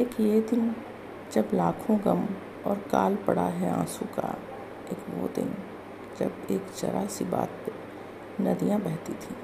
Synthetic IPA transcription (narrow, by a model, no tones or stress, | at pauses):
eːkjeːd̪ɪn | d͡ʒəblaːkʰõɡəm | ɔːɾka̰ːlpəɽaɦɛã̰ːsuka̰ | eːkʋo̰ːd̪ɪ̰n | d͡ʒɐbeːkt͡ʃɐ̰ɾʔasiba̰ːt̪e | nɐd̪ijãbɛɦt̪it̪ʰiː